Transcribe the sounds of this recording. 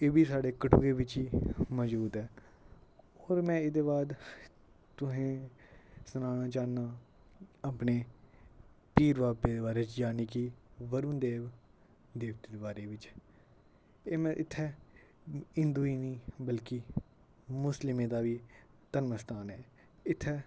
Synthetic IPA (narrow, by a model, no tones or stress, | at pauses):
eːbiːsaːɖeːkəʈṵːɡeːʋɪt͡ʃiːmɔːzbuːd̪ɛː | oːɾmɛ̃ːɪd̪eːbaːd̪ | t̪ʊɦẽː | snaːɽ̃aːt͡ʃaːnaː | aːpneː | piːɾʋaːpeːd̪eːbaːɾeːt͡ʃd͡ʒaːniːkiːʋəɾũːnd̪eːʋ | d̪eːʋt̪iːd̪ebaːɾeːʋɪt͡ʃ | eːmɛ̃ːʔɪt̪ʰːɛː | ɪ̃nd̪uːiːnĩːbəlkɪ | mʊslɪmẽːd̪aːʋiː | t̪ənməst̪aːnɛː | ɪt̪ʰːɛː